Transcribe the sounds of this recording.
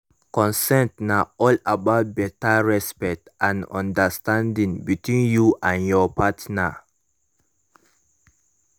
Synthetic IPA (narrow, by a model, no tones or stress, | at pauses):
kɔ̃nsɛ̃ntnaɔlabaʊt̚bɛtaɹɛspɛk̚tãnɔ̰̃ndəstãndĩŋbitwĩnjuʔãnjɔpatna̰